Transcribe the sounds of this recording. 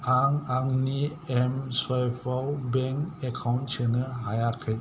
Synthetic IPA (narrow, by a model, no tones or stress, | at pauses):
aŋaŋni | ɛmswajpʰawbɛŋekʰawnsɯnɯɦajakʰɯj